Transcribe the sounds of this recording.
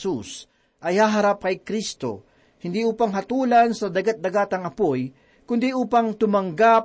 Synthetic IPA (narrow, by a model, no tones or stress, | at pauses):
sus | ʔɐjhaːɦɐɾap̚kɐjkɾist̪o̞̰ | hɪnd̪iʔuːpɐŋɦɐt̪uːlɐnsɐd̪ɐɡat̪̚d̪ɐɡaːt̪ɐŋɐpoj | kʊnd̪iʔuːpɐŋt̪ʊmɐŋɡap̚